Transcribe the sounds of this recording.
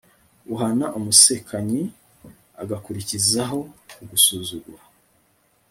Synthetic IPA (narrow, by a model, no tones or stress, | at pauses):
uɦanaʔumuse̞kʰaɲi | a̰ɡakuɾicizaɦo̞uɡusuːzuɡwa